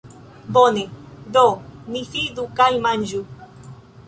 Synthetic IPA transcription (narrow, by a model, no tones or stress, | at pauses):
bonedoniθid̪ukajmand͡ʒu